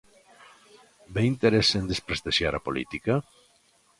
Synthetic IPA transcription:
beint̪eɾesend̪espɾest̪eʃjaɾapolḭt̪ika

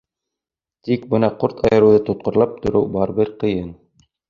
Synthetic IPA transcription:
t̪ikbɤnɑqoɾt̪ʰɑjɤ̆ɾɤ̆wðɤt̪ŏt̪̚qŏɾlˠɑp̚t̪ŏɾɘwbɑɾbɘɾqɤ̆jɤn

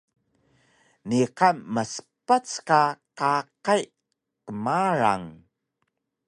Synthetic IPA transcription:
niqamːəsə̥pat͡skaqaqaj | kəmaɾa̰ŋ

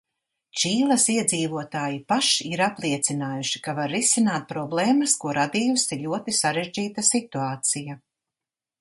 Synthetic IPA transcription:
t͡ʃiːlˠɐsiɛd̪ziːvuɔt̪aːjipaʃiiɾaplˠiɛt̪sinaːjuʃi̥kavaɾːisinaːt̪̚pɾɔblˠeːmɐskuɔɾad̪iːusiʎʲuɔt̪isaɾeʒd͡ʒiːt̪asit̪uaːt̪sija

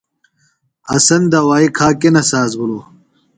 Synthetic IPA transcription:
ɐsɐnd̪ɐwaːikʰaːkenɐsaːzɡuloː

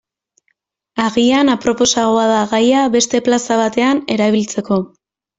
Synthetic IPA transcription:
aɣianapɾo̞po̞saɣ̞oaðaɣajaβe̞st̪e̞plasaβ̞at̪e̞ane̞ɾaβilt͡se̞ko̞

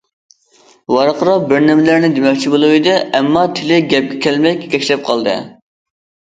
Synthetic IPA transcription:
wɑɾqʰəɾɑq̚bɪɾnɪmɪlæɾnɪd̪emɛkʲt͡ʃʰibolˠuwɨd̪ɨɛmːɑt̪ʰɪlɪɡʲɛp̚ɡʲɛkʲʰɛlmɛkʲkʲʰɛkʲlɛp̚qʰɑlˠd̪ɨ̰

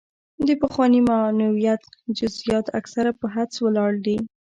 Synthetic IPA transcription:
d̪əpəxwɑnimanawijat̪d͡ʒʊzijɑt̪a̰ksaɾapəɦat͡swəlɑɽd̪i

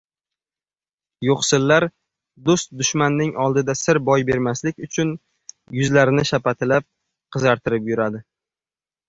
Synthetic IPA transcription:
joqsɪlːaɾ | d̪ʊst̪̚d̪ʊʃmanːɪŋɒlˠd̪ɪd̪asɪɾbɒjbe̞ɾmaslɪkʲʊt͡ʃʰʊn | jʊzlaɾɪnɪʃapat̪ʰɪlap̚ | qʰɨzɑɾt̪ʰɪɾɪpjʊɾad̪ɪ

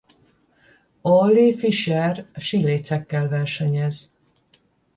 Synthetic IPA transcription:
olːifiʃɛrʃileːt̪sɛkːɛlvɛrʃɛɲɛz

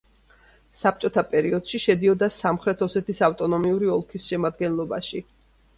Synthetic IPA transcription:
sap̚ʰt͡ʃʼɔt̪ʰapʼɛɾiɔd̪̥ʃiʃɛd̪iɔd̪asamχɾɛt̪ʰɔsɛt̪isaft̪ʼɔnɔmiuɾiɔlˠkʰisʃɛmad̪ɡɛnlˠɔbaʃi

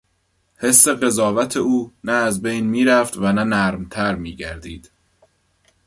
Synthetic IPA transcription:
he̞sːe̞ɣe̞zɒːvæt̪ʰe̞uːnæːzbejnmiːɾæft̪vænænæɾmt̪ʰæɾmiːɟæ̰ɾd̪iːd̪̥

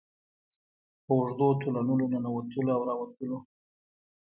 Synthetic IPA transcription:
pəʊʐd̪ot̪olanəlonanawat̪əloawɾɑwat̪əlo

